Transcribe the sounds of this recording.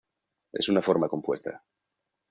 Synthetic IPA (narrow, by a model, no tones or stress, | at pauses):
e̞̰sunafo̞ɾmako̞mpwe̞st̪a̰